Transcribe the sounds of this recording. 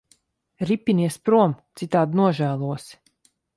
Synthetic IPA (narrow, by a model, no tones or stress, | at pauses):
ɾipʲːiniɛspɾuɔmt̪sit̪aːd̪nuɔʒæːlˠuɔs